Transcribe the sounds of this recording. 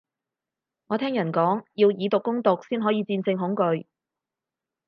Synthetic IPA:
ŋɔː˨˧t̪ʰɛː˥ŋjɐ˨˩nkɔː˨˥ŋjiː˧wjiː˨˧t̪ʊ˨kːʊ˥ŋt̪ʊ˨k̚siː˥nɦɔː˨˥jiː˨˧t͡siː˧nt͡sɪ˧ŋɦʊ˨˥ŋkɵ˧ɥ

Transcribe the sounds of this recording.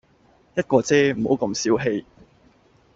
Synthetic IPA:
jɐ˥t̚kɔː˧t͡sɛː˥m̩˨˩ho˨˥wkɐ˧msiː˨˥wɦe˧j

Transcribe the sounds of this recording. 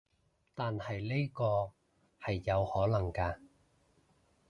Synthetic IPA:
t̪aː˨nhɐ˨jle˥jkɔː˧ | hɐ˨jːɐ˨˧whɔː˨˥lɐ˨˩ŋkaː˧

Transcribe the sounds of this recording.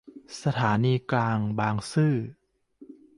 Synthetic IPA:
sa˧t̪ʰaː˩˦niː˧klaː˧ŋbaː˧ŋsɯː˥˩

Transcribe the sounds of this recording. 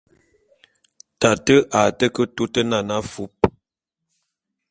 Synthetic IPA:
ta˨tə˦ʔa˨tə˦kə˦tu˦tə˦na˨na˦fu˦p̚

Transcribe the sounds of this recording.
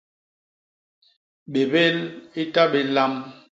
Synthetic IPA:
ɓe˨be˦li˦ta˦be˨la˦m

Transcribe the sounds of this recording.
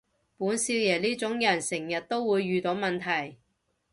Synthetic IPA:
puː˨˥nsiː˧wjɛː˨˩liː˥t͡sʊ˨˥ŋjɐ˨˩nsɪ˨˩ŋjɐ˨t̚t̪o˥wwuː˨˧jːyː˨˧t̪o˨˥wmɐ˨nt̪ʰɐ˨˩j

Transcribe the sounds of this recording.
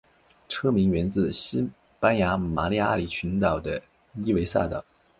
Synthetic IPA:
ʈ͡ʂʰɤ˥mi˧˥ŋɥɛ˧˥nt͡sɹ̩˥˩ɕi˥ | pa˥nja˧˥ma˧˥li˥a̰˥˩li˨˩t͡ɕʰy˧˥nt̪ɑ˨˩ʊd̪ə˦ | i˥we˧˥ɪsa̰˥˩t̪ɑ˨˩˦ʊ

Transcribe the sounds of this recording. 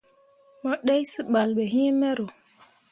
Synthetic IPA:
mo˦ɗe˦jsi˦ɓa˨lɓe˨ɦi˦me˦ɾo˨

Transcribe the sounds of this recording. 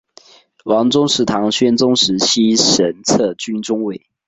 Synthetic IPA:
wɑ˧˥ŋt͡sʊ˥ŋʂɻ̩˥˩t̪ʰɑ˧˥ŋɕɥɛ˥nt͡sʊ˥ŋʂɻ̩˧˥ɕi˥ʂə˧˥nt͡sʰɤ˥˩t͡ɕy˥nʈ͡ʂʊ˥ŋwe˥˩ɪ

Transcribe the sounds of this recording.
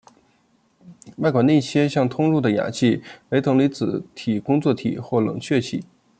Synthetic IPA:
wa˥˩ɪkwa˨˩ni˥˧˩t͡ɕʰjɛ˥nɕjɑ˥˩ŋt̪ʰʊ˥ŋɻu˥˩d̪ə˩ja̰˨˩t͡ɕʰi˥˩we˧˥ɪɤ˧˥ŋli˧˥t͡sɹ̩˨˩˦t̪ʰi˨˩kʊ˥ŋt͡swɔ˥˩t̪ʰḭ˨˩˦xwɔ˥˩lɤ̰˨˩ŋt͡ɕʰɥɛ˥˩t͡ɕʰḭ˨˩˦

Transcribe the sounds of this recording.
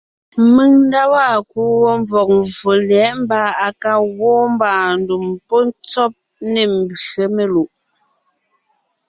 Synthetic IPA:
mɨ˦˨ŋn̩˦da˦wa˦˨ku˦wɔ˦ɱ˦b͡vɔ˨k̚mvo˨lɛ˨˦ʔm˦ba˦a˨ka˦ɣwɔː˦m˦baː˨n̩˦du˨mpɔ˦n˦t͡sɔ˦p̚ | ne˨m̩˨be˨me˨lu˨ʔ

